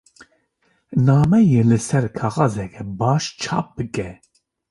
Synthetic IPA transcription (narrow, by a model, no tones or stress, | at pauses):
nɑːmɛjelɨsɛɾkʰɑːɣɑːzɛkʰɛbɑːʃt͡ʃʰɑ̰ːp̚b̥ɨkɛ